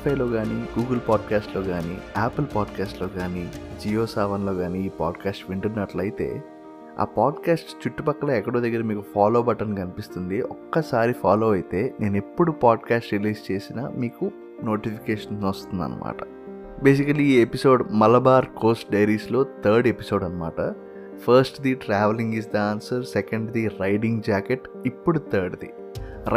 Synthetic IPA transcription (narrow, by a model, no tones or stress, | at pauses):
pʰɐjlo̞ːɡaːniːɡuːɡɐlpaːɖkaːsʈlo̞ːɡaːnḭːaːpɐlpaːɖkaːsʈlo̞ːɡaːnid͡ʒijoːsaːʋɐnlo̞ːɡaːniːpaːɖkaːsʈʋiɳʈunːɐʈlɐjit̪e̞̰ː | a̰ːpaːɖkaːsʈt͡ʃuʈːupɐkːɐlɐɛkːɐɽoːd̪ɐɡːɐɾɐmiːkupʰaːloːbɐʈːɐnikɐnipist̪und̪iʔɔkːɐsaːɾipʰaːloːɐjt̪e̞ːne̞ːnepːuɽupaːɖkaːsʈɾiliːst͡ʃe̞ːsinɐ̰miːku | no̞ːʈipʰi̥keːʂɐnɐst̪und̪ɐ̰nːɐ̰ma̰ːʈɐ̥ | beːs̬ikɐlːiːepiso̞ːɖmɐlɐbaːɾkoːsʈ̚ɖɐjɾiːslo̞ːt̪ʰɐɾɖepiso̞ːɖɐnːɐma̰ːʈɐ̰ | pʰɐɾsʈd̪iʈɾaːʋɐliŋɡisd̪ɐaːnsɐɾsɛkɐɳɖd̪iɾɐjɖiŋɡd͡ʒaːkeʈ | ipːuɽut̪ʰɐɾɖd̪i